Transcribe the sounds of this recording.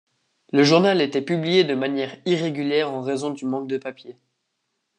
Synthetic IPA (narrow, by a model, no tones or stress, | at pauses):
ləʒuʁnalet̪ɛpyblijed̪əmanjɛːʁiʁeɡʲyljɛːʁɑ̃ʁezɔ̃d̪ymɑ̃k̚d̪əpapje